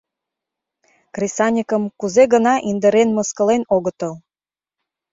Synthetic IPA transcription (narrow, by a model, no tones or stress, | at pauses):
krʲisɑnʲikəmkuzeɣə̆nɑʔind̪əɾenməskə̆lenoɣət̪əl